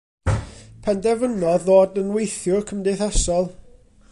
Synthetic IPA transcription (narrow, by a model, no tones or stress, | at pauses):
pʰɛndɛvənɔðoːdənwejθjʊkʰəmdeθasɔlˠ